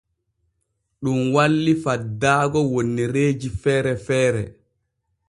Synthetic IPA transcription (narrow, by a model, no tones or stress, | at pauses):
ɗumwalːifadːaːɡɔwonːiɾeːd͡ʒifɛːɾɛfɛːɾɛ̰